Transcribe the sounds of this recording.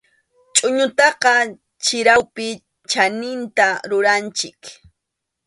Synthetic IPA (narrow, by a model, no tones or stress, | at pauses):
t͡ʃʼʊɲʊt̪ɑqɑ | t͡ʃɪɾawpɪ | t͡ʃanɪnt̪aɾʊɾant͡ʃɪk